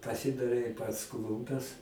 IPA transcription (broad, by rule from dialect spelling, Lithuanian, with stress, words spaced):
pɐˈsʲɪdɐrʲɛɪ pɐts ˈklˠʊmʲpʲɛs